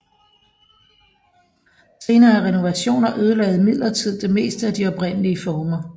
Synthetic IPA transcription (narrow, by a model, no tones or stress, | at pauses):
se̝ːnɐːæʁɛno̝ʋæɕo̝̰ːnɐʔøð̞ˠəlɛ̰ːð̩ˠmið̰ˠlɐt͡sʰið̞̰ˠd̥e̝me̝̰ːsd̥əæd̥iɒ̽b̥ʁen̰əliəfɒːmɐ